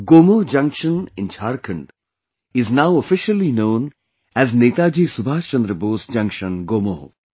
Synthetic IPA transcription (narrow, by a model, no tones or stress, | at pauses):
ɡoːmoːɦd͡ʒɐ̃ŋkʃə̃nɪ̃nt͡ʃʰaːɾkʰə̃ɳɖ | ɪznaʊəfɪʃəlinõːn | ɛzneːt̪ad͡ʒiːsubʱaːt͡ʃɐ̃nd̪ɾəboːsd͡ʒɐ̃ŋkʃə̃nɡoːmoːɦ